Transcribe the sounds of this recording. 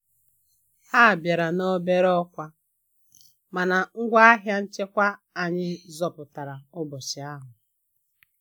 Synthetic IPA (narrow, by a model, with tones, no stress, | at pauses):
ha˦˨bja˨ɾa˨no˦be˦ɾɔ˦kʷa˦ | ma˨na˨ŋ̩˦ɡʷa˦a˦ɦja˦n̩˦t͡ʃe˦kʷa˦a˨ɲɪ˦zɔ˨pʊ˨ta˨ɾa˨ʊ˦bʊ˨t͡ʃɪ˨a˦ɦʊ˨